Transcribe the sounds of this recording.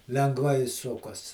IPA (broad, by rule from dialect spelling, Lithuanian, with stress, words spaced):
lʲɛŋɡˈʋɐɪ ˈsʊkɐs